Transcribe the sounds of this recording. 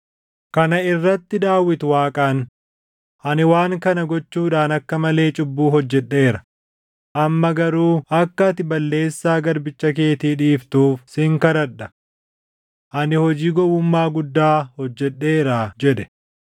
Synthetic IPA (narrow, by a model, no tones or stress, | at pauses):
kɐnɐɪrːɐt̪ːɪd̪aːwɪt̪ʊwaːkʼan | ʔɐnɪwaːŋkɐnɐɡɔt͡ʃːuːᶑaːnɐkːɐmɐle̞ːt͡ʃʼʊbːuːɦɔd͡ʒːɛɗːe̞ːɾɐ | ʔɐmːɐɡɐɾuːɐkːɐt̪ɪbɐlːe̞ːsːaːɡɐɾbɪt͡ʃːɐke̞ːt̪iːᶑiːft̪uːfsɪŋkɐɾɐɗɐ | ʔɐnɪhɔd͡ʒiːɡɔbʊmːaːɡʊd̪ːaːhɔd͡ʒːɛɗːe̞ːɾaːd͡ʒɛᶑɛ̥